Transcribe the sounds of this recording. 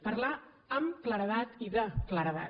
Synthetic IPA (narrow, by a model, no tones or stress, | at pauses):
pəɾla | əmkləɾəðat̪iðəkləɾəða̰